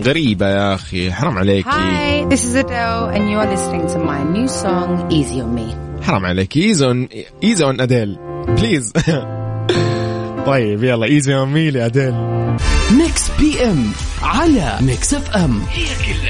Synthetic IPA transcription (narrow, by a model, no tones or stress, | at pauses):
ɣaɾiːbajaxiħɑɾˤɑmʕaleːhaḭɪðɪsɪzədoʊə̃njuəðɪsɾɪ̃ŋtʰəvmaɪnjʉːsɔ̃ŋiziɔnmiħɑɾˤɑ̰mʕa̰leːkiiːzon | ʔiːzawanʔad̪el | pliːz | t̪ˤɑjːɪbjalˤːɑːʔiːzimmiːliʔad̪el | mɪkspiːʔɛmʕala̰mɪksɛfʔɛmhikɪlː